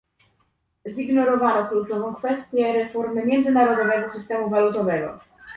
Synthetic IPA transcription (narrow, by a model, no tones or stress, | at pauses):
ziɡnɔɾɔvanɔklut͡ʂɔvɔ̃w̃kfɛst̪ʲjɛɾɛfɔɾmɘmʲjɛnd̪zɘnaɾɔd̪ɔvɛɡɔsɘst̪ɛmuvalut̪ɔvɛɡɔ̰